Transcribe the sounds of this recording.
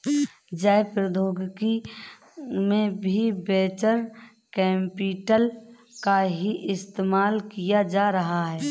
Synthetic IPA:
d͡ʒaːjpɾəd̪ʱoːɡki | mẽbʱibeːt͡ʃəɾ | kɛːmpiːʈəl | kaɦiʔɪst̪eːmaːlkijad͡ʒaːɾəɦaɦɛː

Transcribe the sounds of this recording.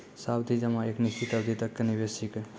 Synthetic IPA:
sabd̪ʱid͡ʒəmãeknist̪ʰit̪əbd̪ʱit̪ɐkːenibesik

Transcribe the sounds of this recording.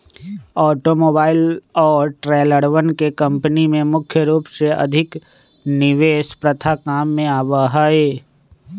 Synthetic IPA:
ɔːʈomoːbaːɪlɔːɾʈɾɛːləɽʋənkekɐ̃mpənimẽmʊkʰjəɾuːpseɐ̰d̪ʱɪk | nɪʋeːʃpɾɐt̪ʰakaːmːẽaːbaɦaːeː

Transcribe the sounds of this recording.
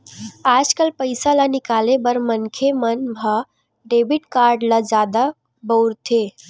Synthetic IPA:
aːd͡ʒkəlpəɪsalanɪkaːlebəɾmənkʰemənbʱa | ɖeːbɪʈkaːɾɖlad͡ʒaːd̪a | bəɾt̪ʰeː

